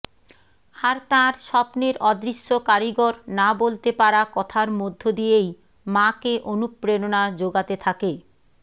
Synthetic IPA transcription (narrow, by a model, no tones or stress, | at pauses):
haɾt̪aɾʃɔpneɾɔd̪ɾiʃːokaɾiɡoɾnabolt̪epaɾakɔt̪ʰaɾmod̪ʱːod̪ijej | makeʔonupːɾenonad͡ʑoɡat̪et̪ʰake